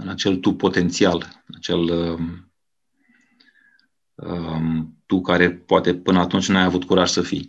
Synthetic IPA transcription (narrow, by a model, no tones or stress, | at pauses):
ɨnat͡ʃe̞lt̪upo̞t̪e̞nt̪sialnat͡ʃe̞l | ət̪ukaɾe̞poat̪e̞pɨnəat̪unt͡ʃʲnajavut̪kuɾaʒ̥səfḭj